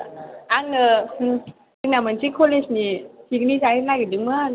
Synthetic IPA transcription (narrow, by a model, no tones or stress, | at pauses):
aŋnɯ | inamensikʰolesnisiɡnizaɾinaɡidɯŋmɯ